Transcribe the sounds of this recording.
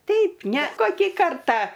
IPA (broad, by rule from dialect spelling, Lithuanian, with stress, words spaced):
ˈtʲɛɪp nʲɛ ˈkoːkʲiː ˈkɐrtɑː